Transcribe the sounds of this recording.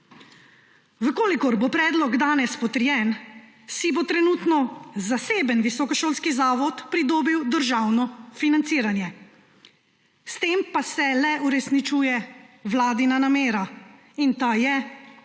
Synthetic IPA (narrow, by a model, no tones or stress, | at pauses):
ʋəkoːlikɔɾbopɾɛːd̪lɔɡd̪aːnɛspɔt̪əɾjɛːn | sibot̪ɾɛnut̪nɔzaseːbənʋisɔkɔʃoːlskizaːʋɔt̪pɾid̪oːbiwd̪əɾʒawnɔfinant̪siːɾanjɛ | st̪eːmpasɛlɛuɾɛsnit͡ʃuːjɛwlaːd̪inanameːɾa | int̪ajɛ